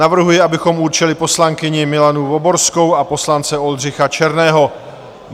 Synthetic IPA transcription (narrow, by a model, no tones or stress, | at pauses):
navr̩ɦujɪabɪxo̞muːɾt͡ʃɛlɪpo̞slaŋkɪɲɪmɪlanuvo̞bo̞ɾsko̞wapo̞slant͡sɛo̞lr̝ɪxat͡ʃɛɾnɛːɦo̞